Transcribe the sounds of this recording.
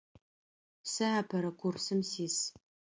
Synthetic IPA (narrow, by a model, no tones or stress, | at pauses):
sɨaːpʰɐɾɐkʷʰʊrsɨmsiːs